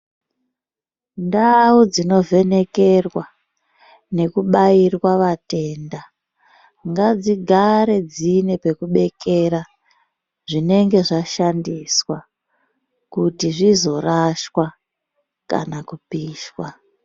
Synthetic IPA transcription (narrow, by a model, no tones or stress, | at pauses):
ndaud͡zino̞ve̞ne̞ke̞rwa | ne̞kuɓairwaʋate̞ːnda | ŋɡad͡ziɡʱaɾe̞d͡zine̞pe̞kuɓe̞ke̞ɾa | ʐine̞ŋɡe̞ʐaʃandiswa | kutiʐizo̞raʃwa | ka̰nakupiːʃwa